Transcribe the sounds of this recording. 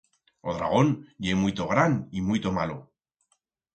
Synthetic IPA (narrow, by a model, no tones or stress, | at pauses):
oðɾa̰ɣ̞onjemujt̪oɣ̞ɾanimujt̪omalo